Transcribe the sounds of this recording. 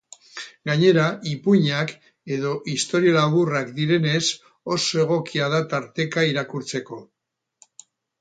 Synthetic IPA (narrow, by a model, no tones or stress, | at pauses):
ɡaɲe̞ɾaʔipuɲak | e̞ðo̞ʔist̪o̞ɾialaβurakd̪iɾe̞ne̞s | o̞so̞e̞ɣ̞o̞kiað̞at̪aɾt̪e̞kaiɾakuɾt͡se̞ko̞